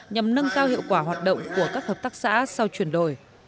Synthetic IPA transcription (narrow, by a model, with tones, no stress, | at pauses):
ɲa˨˩mnə˧ŋkaː˧whḭ˧˨wkwaː˧˩ɦwaː˨˩t̚ɗə̰˧˨wŋ͡mku˧˩əkaː˦˥k̚həː˨˩p̚t̪aː˦˥k̚sa̰ː˧˥sa˧wt͡ɕwi˧˩ənɗo̰˧˩j